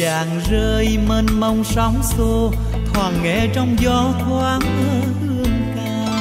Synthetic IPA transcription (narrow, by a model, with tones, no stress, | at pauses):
aː˨˩ŋzəː˧jməː˧nmə˧wŋ͡msɔ˨˦wŋ͡mso˧ | t̪ʰwaː˨˩ŋːɛ̰˧˩t͡ɕɔ˧wŋ͡mzɔ˧˦t̪ʰwaː˧˦ŋʔəː˧˩hɨ˧əŋk̪aː˧